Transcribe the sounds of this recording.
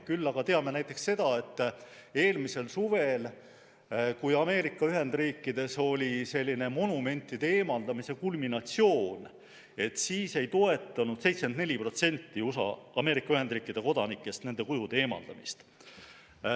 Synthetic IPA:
kylːɑɡ̥ɑt̪e̞ɑme̞næjt̪ːˑe̞ksse̞d̪̥ɑe̞t̪ːe̞ːlmise̞lsuve̞l | kujɑme̞ːɾikːˑɑyɦe̞nd̪riːkːid̪̥e̞so̞lʲise̞lʲːine̞mo̞nume̞nʲt̪ːˑid̪̥e̞eːmɑld̪ɑmise̞kulminɑt̪sio̞ːn | e̞t̪siːse̞jt̪o̞e̞t̪ːˑɑnud̪̥se̞jt̪smend̪nelʲipro̞t̪se̞nʲt̪ːiusɑ̰ɑ̰me̞ːɾikːˑɑyhe̞nd̪riːkːˑid̪̥e̞ko̞d̪ɑnikːˑe̞st̪ne̞nd̪e̞kujud̪̥e̞eːmɑ̰ld̪̥ɑmist̪

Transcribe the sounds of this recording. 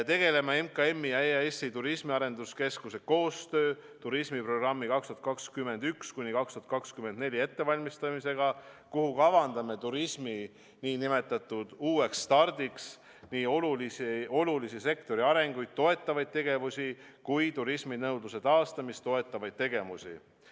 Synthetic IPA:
t̪e̞ɡ̥e̞le̞mɑe̞mkɑe̞mːijɑeɑesit̪uɾismiɑɾe̞nd̪uske̞skuse̞ko̞ːst̪ø̞ː | t̪uɾismipro̞ɡrɑmːikɑkst̪uɑt̪kɑkskyme̞nd̪ykskujnʲikɑkst̪uɑt̪kɑkskyme̞nd̪ne̞lʲie̞t̪ːe̞vɑlʲmist̪ɑmise̞ɡ̥ɑkuhukɑvɑnd̪ɑme̞t̪uɾisʲmi | niːnime̞t̪ːˑɑt̪ːˑud̪̥uːe̞kst̪ɑrd̪iks | niːoluliso̞lulisise̞kt̪o̞ɾiɑɾe̞ŋɡ̥ujd̪̥̚t̪o̞e̞t̪ːˑɑvɑjd̪̥̚t̪e̞ɡ̥e̞vusʲi | kujt̪uɾisminɤwd̪luse̞t̪ɑːst̪ɑmist̪o̞e̞t̪ːˑɑvɑjd̪̚t̪e̞ɡ̥e̞vusʲḭ

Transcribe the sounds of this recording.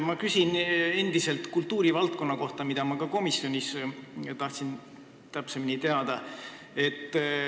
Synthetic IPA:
mɑkysʲine̞nd̪̥ise̞lt̪ˑkult̪ːˑuːɾivɑlt̪̚ko̞nːɑko̞ht̪ɑmid̪̥ɑmɑkɑko̞misjo̞nʲist̪ɑht̪sin | t̪æpsemnʲit̪e̞ɑd̪̥ɑ | e̞t̪ː

